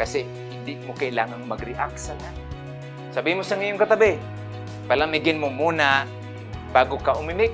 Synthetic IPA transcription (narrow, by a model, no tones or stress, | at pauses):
kasɪ | ɪndɪʔmokailaːŋaŋmaɡɾɪʔaksana | sabimʊsaŋijʊŋkat̪abɪ | palamɪɡɪnmʊmuna | baːɡʊkaʔʊmɪmɪk̚